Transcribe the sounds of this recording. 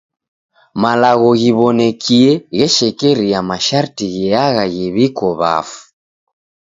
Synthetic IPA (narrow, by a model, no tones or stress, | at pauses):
malaɣɔɣiβɔnɛkʰiɛɣɛʃɛkɛɾijamaʃaɾtiɣɛaɣaɣɛβikɔβa̰fu̥